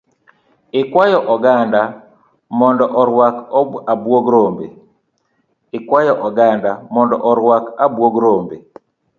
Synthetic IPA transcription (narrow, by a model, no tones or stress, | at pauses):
ɪkwajɔʔɔɡanda | mɔndɔʔɔɾwakabwoɡɾombe | ɪkwajɔʔɔɡandamɔndɔʔɔɾwakabwoɡɾombe